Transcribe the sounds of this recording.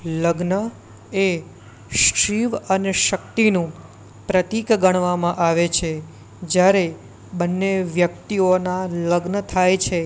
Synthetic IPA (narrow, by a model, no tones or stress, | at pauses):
ləɡnə | e | ʃɾiʋəneʃək̚t̪inũ | pɾət̪ikɡəɽ̃ʋamãʔaʋet͡ʃʰe | d͡ʒjaɾe | bənːeʋjək̚t̪ionaləɡnət̪ʰajt͡ʃʰe